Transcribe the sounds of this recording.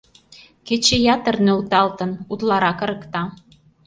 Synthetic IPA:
ket͡ɕejɑt̪ə̆rnølt̪ɑlt̪ə̆nut̪lɑɾɑkə̆ɾə̆kt̪ɑ

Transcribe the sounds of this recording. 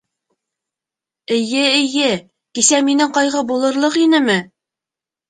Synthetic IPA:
ɘ̆jɘɘ̆jɘ | kisæminɘŋqɑjʁɤbulˠɤ̆ɾlˠɤqinɘmɘ

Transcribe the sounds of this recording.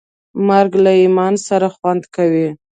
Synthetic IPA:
maɾɡlaimɑnsaɾaxwand̪kawi

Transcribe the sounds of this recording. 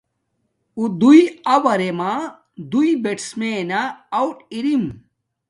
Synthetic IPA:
ud̪ujɐwɐɾema | d̪ujbeʈsmeːnaːwʈiɾim

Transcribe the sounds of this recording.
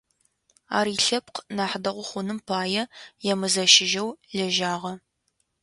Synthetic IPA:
a̰ːɾiːɬɐp̚qʰnaːħdɐʁʷʊχʷʊnɨmpʰaːjɛjɛmɨzɐʃɪʒɐwɮɐʒaːʁɐ

